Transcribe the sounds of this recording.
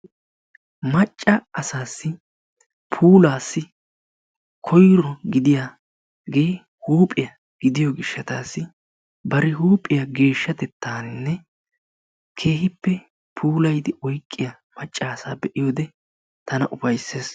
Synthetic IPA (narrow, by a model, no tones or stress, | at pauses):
mɐt͡ʃʼːɐɐsaːsːɪ | pʰuːlaːsːɪ | kʰɔjɾɔɡɪd̪ɪja | ɡe̞ː | huːpʼːɪjɐ | ɡ̥ɪd̪ɪjɔɡɪʃːɐt̪aːsːɪ | bɐɾɪhuːpʼɪjɐɡe̞ːʃːɐt̪ɛt̪ʰːaːnnːɛ | kʰe̞ːhɪpːɛ | pʰuːlɐjd̪ɪʔɔjkʼːɪjɐ | mɐt͡ʃʼːaːsaːbɛʔɪjoːd̪ɛ | t̪ɐnɐʔʊfɐjsːe̞ːs